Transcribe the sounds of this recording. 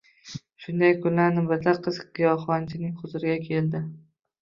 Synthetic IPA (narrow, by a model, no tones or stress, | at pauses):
ʃʊnd̪ajkʰʊnːaɾnɪbat̪laqʰɨzqqʰɨjɒχɒnt͡ʃʰɪnɪŋχʊzʊɾɪɡʲakʲʰe̞ld̪ɪ